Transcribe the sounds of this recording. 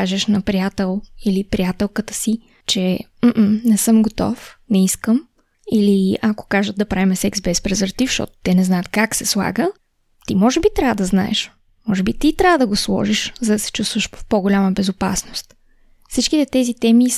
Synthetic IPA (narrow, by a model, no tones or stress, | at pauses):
aʒɛʃnɐpɾiat̪ɛlˠilipɾiat̪ɛlˠkət̪ə̥si | t͡ʃɛ | m̩ʔ̩nɛsɤmɡot̪ɔ̰fnɛiskəm | iliako̥kaʒəd̪̚d̪ɐpɾavimɛsɛksbɛspɾɛzəɾt̪ifʃt̪ɔ̰t̪ʊ̥t̪ɛnɛznajət̪kaksɛslˠa̰ɡə | t̪imɔʒɛbit̪ɾʲavəd̪ɐzna̰ɛ̰ʃ | mɔʒɛbit̪it̪ɾʲavəd̪ɐɡoslˠɔ̰ʒiʃzɐd̪ɐsɛ̥t͡ʃust̪vəʃfpoɡolʲaməbɛzopasnost̪ | fsit͡ʃkit̪ɛt̪ɛzit̪ɛmi